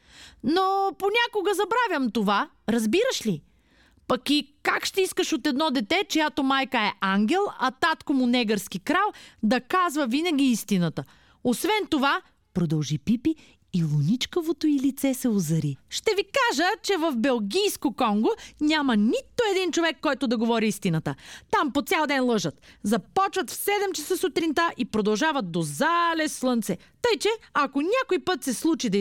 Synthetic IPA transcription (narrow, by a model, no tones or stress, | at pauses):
noponʲakoɡəzɐbɾavʲjɐmt̪ova | ɾɐzbiɾəʃli | pɐkikakʃt̪ɛiskəʃot̪ɛd̪nɔd̪ɛt̪ɛt͡ʃojat̪omajkəɛʔaŋɡʲɛlˠɐt̪at̪komʊnɛɡəɾskikɾalˠd̪ɐkazvəvinɐɡʲiist̪inət̪ə | osvɛnt̪ova | pɾod̪ɐlˠʒipipiː | lˠonʲit͡ʃkovot̪oilit̪sɛsɛozɐɾiʃt̪ɛvikaʒət͡ʃɛvɐvbɛlˠɡʲijskokɔŋɡonʲamɐnʲit̪oɛd̪int͡ʃovɛkːɔjt̪od̪ɐɡovɔɾiist̪inət̪ət̪ampot̪sʲalˠd̪ɛnlˠɤʒət̪zɐpɔt͡ʃvɐt̪fsɛd̪ɛmt͡ʃɐsəsot̪ɾint̪aʔipɾod̪ɐlˠʒavɐt̪̚d̪ozalɛslˠɤnt̪sɛ | t̪ɤjt͡ʃɛɐkonʲakoipɤt̪sɛslˠut͡ʃid̪ɐ